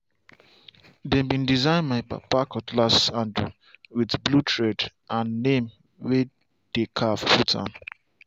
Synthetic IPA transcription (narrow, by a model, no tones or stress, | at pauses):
dɛ̃mbĩndizãɪ̃nmaɪpa̰pakɔtlasãnd | widblutʰɹɛdʔãnːẽm | we | d̥ekʰaffutʰã̰n